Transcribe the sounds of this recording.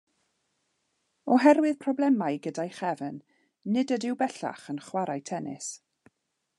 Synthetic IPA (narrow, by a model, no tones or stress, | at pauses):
ɔɦɛɾwɨð̥pʰrɔblˠɛmajɡədajχɛvənː | ɨdədɪwbɛɬa̰χənχwaɾajtʰɛnɪ̰s